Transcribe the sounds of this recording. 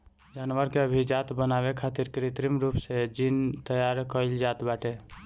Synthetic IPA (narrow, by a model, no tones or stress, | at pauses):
d͡ʒanʋəɾkeəbʱid͡ʒat̪bənabekʰat̪iɾkɾit̪ɾimɾupsed͡ʒint̪əjaɾkəɪld͡ʒat̪baʈe